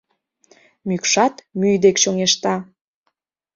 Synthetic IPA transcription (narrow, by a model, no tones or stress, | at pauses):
mykʃɑt̪myjd̪ekʃoŋeʃt̪ɑ